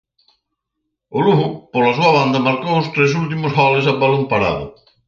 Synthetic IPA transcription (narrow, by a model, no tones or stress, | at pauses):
ʊluɣʊpolɐsuɐβ̞and̪ɐmaɾkowʊst̪ɾes̬ult̪̬imʊshɔlesabalompaɾa̰ðʊ̰